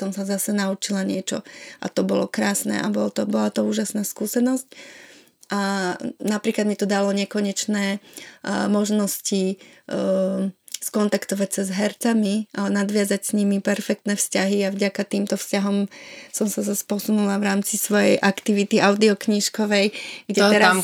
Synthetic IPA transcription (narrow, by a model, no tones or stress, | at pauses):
sɔmsazasɛnaut͡ʃilaɲɪɛt͡ʃɔ̰ʔa̰t̪ɔbɔlɔkɾaːsnɛ̰ʔa̰bɔlt̪ɔbɔlat̪ɔuːʒasnaːskuːsɛnɔsc | ʔanapɾiːklad̪mit̪ɔd̪alɔɲɪɛkɔɲɛt͡ʃnɛː | mɔʒnɔsci | skɔnt̪akt̪ɔʋacsazɦɛɾt͡samiʔanad̪ʋɪad͡zacsɲimipɛɾfɛk̚t̪nɛfscaɦiavɟakat̪iːmt̪ɔfscaɦɔmsɔmsazaspɔsunulavɾaːmt͡sisʋɔjɛjʔakt̪iʋit̪iʔaʊd̪iɔkɲiʃkɔʋɛjɡɟɛt̪ɛɾa